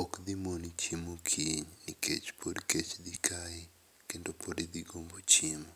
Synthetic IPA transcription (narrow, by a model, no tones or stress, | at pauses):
ɔkd̪imonit͡ʃimokʰiɲnikḛt͡ʃpʰoɾket͡ʃd̪ikʰaɪ | kendopoɾid̪iɡombot͡ʃimo